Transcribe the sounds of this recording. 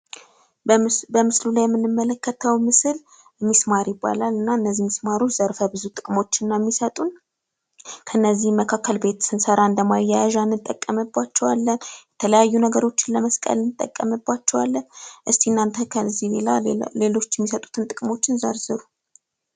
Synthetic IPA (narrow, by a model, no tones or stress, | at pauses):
bəmɨslulajɛmːɨnːɨmːələkʰːət̪ʰəwmɨsɨl | mːismaɾjɪbːa̰lalɨnːaɨnːəzːihmismaɾo̞t͡ʃz̥əɾfəbɨzut̪ʼɨkʼmo̞t͡ʃːɪnːamːisət̪ʼun | kʰəɨnːəzːihmːəkʰakːəlbe̞t̪sɨnsəɾaɨnd̪əmajːajaʒanːɨt̪ʼːəkʼːəməbːat͡ʃːɛwalːənjɛt̪ʰələjajːunəɡəɾo̞t͡ʃːɪnləməskʼə̰lɨnːɨt̪ʼːə̰kʼːəməbːat͡ʃːɛwa̰lːənʔɨst̪ʰiɨnːant̪ʰəkʰəzːielale̞lo̞t͡ʃːjɛmːisət̪ʼu̥t̪ʰɨnt̪ʼɨkʼmo̞t͡ʃːɪnzəɾzɨɾu